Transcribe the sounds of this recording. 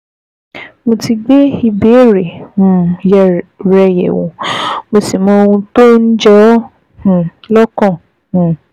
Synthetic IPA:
mo˧ti˧ɡ͡be˦i˧be˨˦˨ɾe˨ũ˨jɛ˨ɾɛ˧jɛ̰˨wõ̰˨mo˧si˨mɔ̃˧˦˧ũ˧to˦n̩˦d͡ʒɛ˦ | h̩˨lɔ˦kɔ̃˦˨ | h̩˨

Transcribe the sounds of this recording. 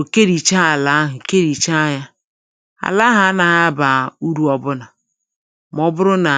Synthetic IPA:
o˨ke˦ɾi˨t͡ʃa˦a˨la˨˦ɦʊ˨ke˦ɾi˨t͡ʃa˦a˦ja˦ | a̰˨la˦ɦa˨a˦na˨ɦa˦ba˨u˦ɾu˦ɔ˨bʊ˦na˨ | m˦ɔ˦bʊ˦ɾʊ˦na˨

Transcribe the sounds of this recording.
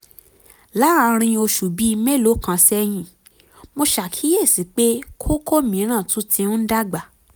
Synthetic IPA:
la˨˦a˧ɾ̃ĩ˧o˧ʃu˨bi˨˦˧me˦˨lo˨˦kã˧sɛ˦j̃ĩ˧˨ | mo˧ʃa˨kʰi˨˦je˦˨si˨˦k͡pe˦kʰo˦ko˦mĩ˨˦ɾ̃ã˦˨tũ˨˦tʰĩ˧ũ˦da˦ɡ͡ba˨

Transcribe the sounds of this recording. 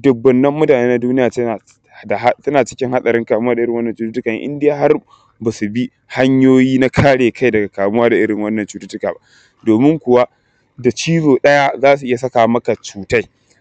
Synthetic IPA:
dʊ˨bːɐ˨nːɐ˦mːʊ˦taː˨neː˦na˦duː˦nɪ˦jaː˨ta˨ | da˨ɦa˦tɐ˦naː˨t͡ʃɪ̥˦kʲɪ˦ŋha˦sʼɐ˨ɾɪ˦ŋkaː˨mʊ˦wa˦dɪ˦ɾɪ˨ŋwɐ˦nːɐ˨t͡ʃuː˦tu˦tʊ˦kaː˨j̰ʔɪ̰˦ndɪ˦jaː˨ɦa˦r | ba˨su˨bi˦ | ha˦ɲjoː˦jiː˦na˦kʰaː˦ɽeː˨kʰa˦jdɐ˨ɡa˨kaː˨mʊ˦waː˦da˨ʔɪ˦ɽɪ˨ŋwɐ˦nːɐ˨nt͡ʃuː˨tu˦tʊ˦kaː˨ba˦ʔ | doː˨mɪ˦ŋkʷʊ˨wa˦ | da˨t͡ʃiː˦zoː˨ɗɐ˦ja˦zaː˦s̬u˨ʔɪ˦ja˨sɐ˦kaː˨mɐ˦ka˨t͡ʃuː˨ta˦j

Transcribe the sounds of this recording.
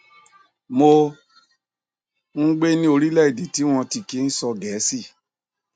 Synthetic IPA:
mo˧ | ŋ̩˦ɡ͡be˦nĩ˧˦o˧ɾi˦lɛ˦˨i˨di˨ti˨˦w̃ɔ̃˧ti˨ki˦n̩˦sɔ˧ɡɛ˨˦si˦˨

